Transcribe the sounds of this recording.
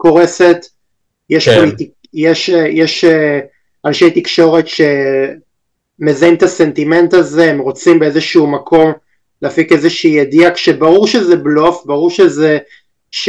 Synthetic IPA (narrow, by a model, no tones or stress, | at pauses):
ko̞ʁese̞t̪ | jeʃpoliti | jeʃjeʃe | anʃejt̪ikʃo̞ʁe̞tʃe̞ | mezaimt̪ase̞nt̪ime̞nt̪aze̞emʁo̞t͡simbeezeʃuumakʰo̞m | leːfikezeʃiːjed̪iakʃebaʁuʁʃezeblo̞fbaʁuʁʃeze | ʃ